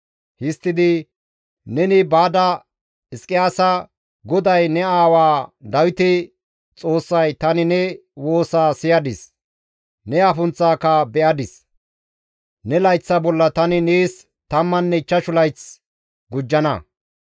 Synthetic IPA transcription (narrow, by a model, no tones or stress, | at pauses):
hɪst̪ːɪd̪ɪ | nɛnɪbaːd̪ɐ | ɪskʼːɪjaːsɐ | ɡɔd̪ɐjnɛaːwaːd̪ɐwɪt̪ɪ | t͡sʼo̞ːsːɐjt̪ɐnɪnɛ | wo̞ːsaːsɪjɐd̪ɪs | nɛafʊnt͡sːaːkːɐbɛʔɐd̪ɪs | nɛlɐjt͡sːɐbɔlːɐt̪ɐnɪneːs | t̪ɐmːɐnːɛɪt͡ʃːɐʃʊlɐjt͡s | ɡʊd͡ʒːɐnɐ̰